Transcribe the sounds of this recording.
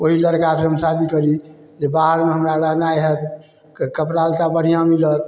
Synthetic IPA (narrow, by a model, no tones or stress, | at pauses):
oɦiləɾkaseɦəmsad̪ikəɾi | d͡ʒebaɦəɾmeɦəmɾaɾəɦnaeɦət̪ | kəpɾalt̪abəɽ̤ijãmilət̪